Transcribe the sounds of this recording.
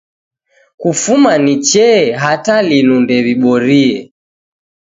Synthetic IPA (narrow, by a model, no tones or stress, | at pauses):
kufumanit͡ʃɛɦatalinundɛβiɓɔɾiɛ